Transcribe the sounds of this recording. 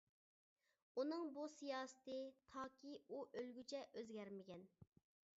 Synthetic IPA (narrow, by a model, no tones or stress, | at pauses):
unɨŋbusijɑːsɨ̥t̪ɨt̪ʰɑːkʲiuʔølɡʲyt͡ʃʰɛʔøzɡʲɛɾmɪɡʲɛn